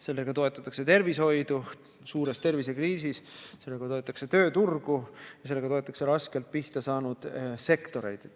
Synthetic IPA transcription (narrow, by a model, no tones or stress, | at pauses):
se̞lːe̞ɡ̥ɑt̪o̞e̞t̪ːˑɑt̪ːˑɑkse̞t̪e̞rvisho̞jd̪̥u | suːɾe̞st̪e̞rvise̞kriːsisse̞lːe̞ɡ̥ɑt̪o̞et̪ːˑɑkse̞t̪ø̞ːt̪urɡ̥ujɑse̞lːe̞ɡɑt̪o̞et̪ːˑɑ̥kse̞ɾɑske̞lt̪̚piht̪ɑsɑːnud̪̥se̞kt̪o̞ɾe̞̰jd̪̥